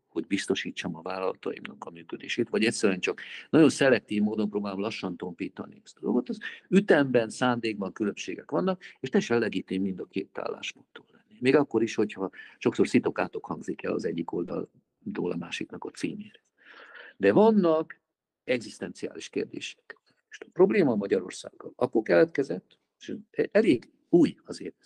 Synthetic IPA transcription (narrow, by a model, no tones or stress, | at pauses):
ho̞ɟbist̪o̞ʃiːt͡ʃːomɒvaːlɒlɒt̪ɒ̰ḭmnɒkɒmyːkød̪eːʃeːt̪ʋɒɟɛcʲsɛɾyɛnt͡ʃɒknɒɟo̞nsɛlɛk̚t̪iːvmoːd̪o̞mproːbaːlo̞mlɒʃːɒnt̪o̞mpiːt̪ɒ̰niɛst̪ɒzoɡot̪ozyt̪ɛmbɛnsaːnd̪eːɡ̚bɒŋkylømʃḛːɡɛkʋɒnːɒk̚eːʃt̪ɛeʃɛlːɛɡiːt̪emind̪ɒkeːt̪a̰ːlːa̰ːʃpo̞nt̪ːoːlːɛnːimeːɡɒkːo̞ɾiʃho̞chɒʃo̞kso̞rsit̪o̞kaːt̪o̞khɒŋɡzikɛ̰lɒ̰zɛɟːiko̞ld̪ɒ̰l | d̪o̰ːlɒ̰maːʃiknɒkosḭːmeːɾɛz | d̪ɛvɒnːɒk | ɛɡzist̪ɛnt̪sia̰ːliʃkḛːrd̪ḛːʃɛ̥k | eʃt̪pro̞bleːmɒmɒɟɒɾo̞̰rsa̰ːɡːɒlɒkokɛlɛt̪kɛzɛt̪ː | eʃɛleːɡ | uːjɒzeːɛ